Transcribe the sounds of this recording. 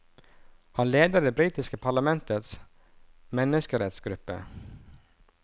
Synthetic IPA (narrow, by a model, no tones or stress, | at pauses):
hanleːd̪əd̪ɛbɾiːt̪ɪskəpʰaɭamɛnt̪ət̪s | mɛnːɪʂkəɾɛt̪sɡɾɵpːə̰